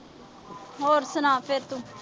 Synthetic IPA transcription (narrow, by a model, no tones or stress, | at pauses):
ɦoːɾsənaːpʰɪɾt̪ũ